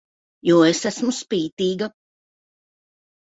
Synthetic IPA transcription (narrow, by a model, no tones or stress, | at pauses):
juːesæsmuspiːt̪iːɡa